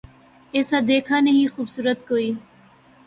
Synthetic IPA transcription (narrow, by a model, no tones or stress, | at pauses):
eːsaːd̪eːkʰaːnəɦĩːxubsuːɾət̪koːiː